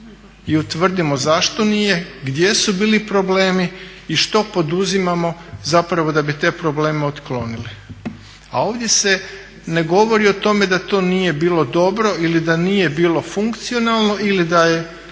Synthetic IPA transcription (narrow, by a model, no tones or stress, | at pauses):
iut̪ʋr̩d̪imo̞zaʃt̪o̞nije̞ɡd̪je̞subiːlipɾo̞ble̞ːmiː | ʃt̪o̞po̞d̪uzimamo̞zapɾaʋo̞d̪abit̪e̞ːpɾo̞ble̞ːmeot̪klo̞nili | a̰o̞ːʋd̪je̞se̞ | ne̞ɡo̞ʋo̞ɾiot̪o̞me̞d̪at̪o̞ːniːje̞biːlˠo̞d̪o̞bɾo̞ʔilid̪aniːje̞biːlo̞fuŋkt̪sio̞nalˠno̞ilid̪aje̞